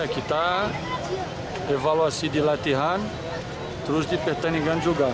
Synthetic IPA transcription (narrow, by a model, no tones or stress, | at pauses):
akit̪a | evawasid̪ilat̪iɦan | t̪ɾusd̪ipeht̪aniɡand͡ʒuɡa